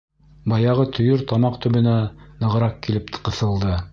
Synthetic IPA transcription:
bɑjɑʁɤt̪ʰɵ̆jɵɾt̪ɑmɑqt̪ɵ̆βɘ̆nænɤ̆ʁɤ̆ɾɑq̚kilɘpt̪qɤ̆θɤ̆lˠd̪ɤ

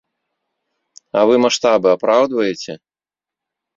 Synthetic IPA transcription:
ɐvɨmaʂt̪abɨapɾawd̪vɐjɛt͡sʲɛ

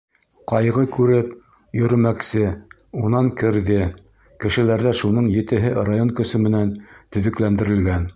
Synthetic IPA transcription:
qɑjʁɤkʉɾɘp | jɵ̆ɾɘ̆mæksɘ | unɑŋkɘ̆ɾðɘ | kɘ̆ʃɘ̆læɾðæʃunɤɴjɘ̆t̪ɘ̆ɦɘrajoŋkɵ̆sɵmɘ̆nænt̪ɵ̆ðɵ̆klænd̪ɘ̆ɾɘ̆lɡæn

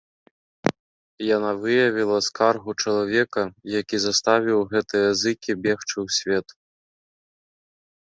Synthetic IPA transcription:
janavɨjɐvʲilˠɐskarɣut͡ʂɐlˠavʲɛkɐjakʲizɐst̪avʲiwɣɛt̪ɨjɐzɨkʲibʲɛxt͡ʂɨwsʲvʲɛt̪u

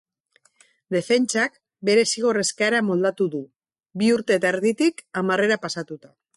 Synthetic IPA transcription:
d̪e̞fe̞nt͡ʃak | be̞ɾe̞siɣ̞o̞re̞skeaeɾamo̞ld̪at̪uðu | biuɾt̪e̞ːt̪aeɾðit̪ikamare̞ɾapasat̪ut̪a

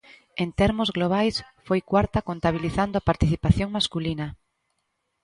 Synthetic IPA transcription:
ẽnt̪ɛɾmozɣloβ̞ajsfojkwaɾt̪akont̪aβ̞iliθand̪oapaɾt̪iθipaθjoŋmaskulina

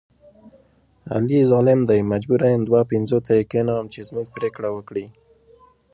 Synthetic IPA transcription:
a̰lizɑlɪmd̪ajmad͡ʒbuɾajand̪wapɪnzot̪ʰaikenaamt͡ʃezmuɡ̚pɾekɽawəkɽi

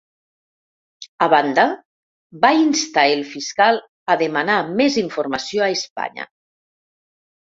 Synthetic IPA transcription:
aβand̪a | bainst̪aelfiskal | aðemanameziɱfoɾmasjoaespa̰ɲa̰

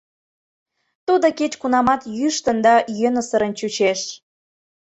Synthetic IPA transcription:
t̪ud̪oket͡ɕkunɑmɑt̪jyʃt̪ənd̪ɑjønəsəɾənt͡ɕut͡ɕeʃ

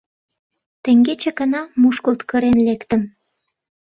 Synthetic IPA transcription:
t̪ĕŋɡet͡ɕĕkə̆nɑmuʃkəlt̪kə̆ɾenlekt̪ə̆m

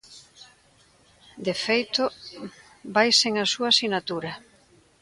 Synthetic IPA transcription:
d̪efejt̪ʊ | bajseŋasuasinat̪uɾɐ

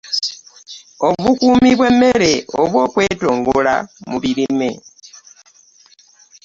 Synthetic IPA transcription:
o̞βukuːmiβwe̞mːe̞ɾe̞oβwo̞ːkwe̞ːto̞ːŋɡola̰muβiɾime̞

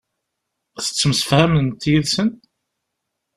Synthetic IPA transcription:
θə̥t͡sːəmsə̥fhæmənt̪jiðsən

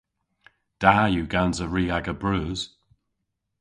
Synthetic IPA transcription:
d̥aːjʉːɡanzəɹiːaɡəbɹʉːz̥

